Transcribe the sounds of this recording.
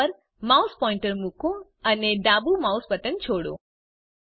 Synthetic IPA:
əɾ | mawspɔ̃ɪɳʈəɾmukʰũ | əned̪abumawspət̪ənt͡ʃʰoɽṵ̃

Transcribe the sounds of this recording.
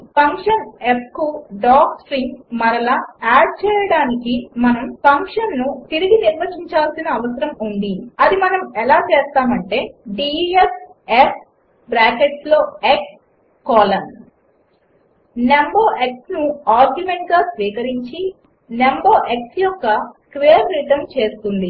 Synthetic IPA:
pɐŋkʂɐnepʰkuɖaːksɾiŋɡmɐɾɐlaːaːɖ̚t͡ʃɛːjɐɽaːnikimɐnɐmpɐŋkʂɐnːut̪iɾiɡiniɾʋɐt͡ʃiɲt͡ʃaːlsinɐːʋɐsɐɾɐmund̪iɐd̪imɐnɐmɛlaːt͡ʃɛːst̪aːmɐɳʈe̞ːɖies | ep | bɾaːkeʈslo̞ːeks | kɔːlɐn | nemboːʔeksnuaːɾɡjume̞ɳʈ̚ɡaːsʋiːkɐɾiɲt͡ʃi | nemboːʔeksjɔkːɐkʋejɐɾːiʈɐmt͡ʃe̞ːst̪und̪i

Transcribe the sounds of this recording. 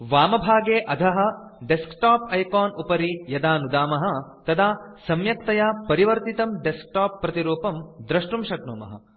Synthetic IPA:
ʋaːmɐbʱaːɡeːʔɐd̪ʱɐɦɐ̆ | ɖeskʈaːpɐjkaːnupɐɾijɐd̪aːnud̪aːmɐɦɐ̆t̪ɐd̪ʰaːsɐmjɐk̚t̪ɐjapɐɾiʋɐɾt̪it̪ɐmɖesk̚ʈaːpːɾɐt̪iɾuːpɐmd̪ɾɐʂʈumʂɐk̚nuːmɐ̰ɦɐ̰

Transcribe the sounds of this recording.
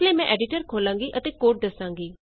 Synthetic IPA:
lemɛ̃ʔɛːɖɪʈəɾkʰoːlãːŋɡiʔət̪ekoːʈ̚d̪ɐsãːŋɡiː

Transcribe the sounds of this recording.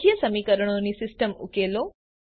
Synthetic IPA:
ijɐsɐmiːkɐɾɐɳ̃onːisisʈɐmṵkeːloː

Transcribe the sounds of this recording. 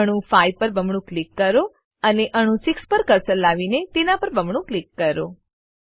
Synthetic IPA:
əɽ̃ũfaipəɾbəmɳ̃ũklikːəɾo | əneʔəɽ̃ũsikspəɾkəɾsəlːaʋinet̪enapəɾbəmɳ̃ũklikːəɾo

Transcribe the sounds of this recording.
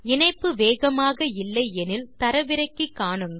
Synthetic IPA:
ɪɳɐɪpːɯʋeːɣɐmaːɣɐɪlːɐɪɛnɪlt̪ɐɾɐʋɪɾɐɪkːɯkːaːɳɯŋɡɐ

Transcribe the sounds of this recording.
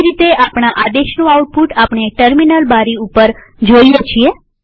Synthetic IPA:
ɾit̪eʔapɳ̃aʔad̪eʃnũauʈ̚puʈapɳ̃eʈəɾminəlbaɾiupəɾ | d͡ʒoijet͡ʃʰie

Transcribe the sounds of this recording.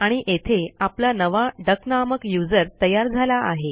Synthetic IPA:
aɽ̃iʔet̪ʰeaplanəʋaɖəknaməkjud͡zəɾt̪əjaɾd͡zʱalaʔaɦe

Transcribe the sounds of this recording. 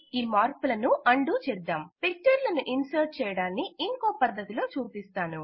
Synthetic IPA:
iːmaːɾkulɐnuʔɐɳɖuːt͡ʃɛɾd̪aːmpik̚t͡ʃɐɾlɐnuʔinsɐːʈ̚t͡ʃɛːjɐɽaːnːiiŋko̞ːpɐd̪ʱːɐt̪ilo̞ːt͡ʃuːpist̪aːnu

